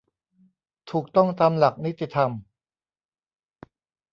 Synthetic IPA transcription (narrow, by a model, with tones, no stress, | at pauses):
t̪ʰuː˨˩k̚t̪ɔ˥˩ŋt̪aː˧mla˨˩k̚ni˦˥t̪ʰːi˧˩t̪ʰa˧m